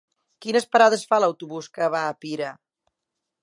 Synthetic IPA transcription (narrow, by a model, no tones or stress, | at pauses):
kinəspəɾaðəsfaləwt̪uβuskəβaːpiɾə